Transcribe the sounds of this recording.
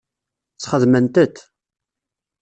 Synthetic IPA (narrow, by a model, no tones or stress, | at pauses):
t͡sːχəðmənt̪ət̪